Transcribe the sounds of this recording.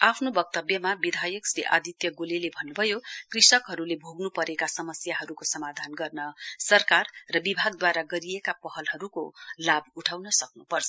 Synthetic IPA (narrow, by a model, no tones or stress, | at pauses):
apʰnobʌk̚t̪ʌbjʌmabid̪ʱajʌksɾeʔa̰d̪ʱit̪jʌɡolelebʱʌnːubʱʌjokrisʌkɦʌɾulebʱoɡnupʌɾekasʌmʌsjaɦʌɾukosʌmad̪ʱanɡʌrnʌsʌrkarːʌbibʱaɡd̪waɾaɡʌɾijekapʌɦʌlɦʌɾukolabuʈʰawnʌsʌk̚nupʌrt͡sʰʌ